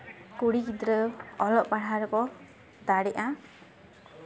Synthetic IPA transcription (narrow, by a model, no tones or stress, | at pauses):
kuɽikid̪ɾəɔlɔʔpaɽ̤aɾɔkɔ | d̪aɽɛʔã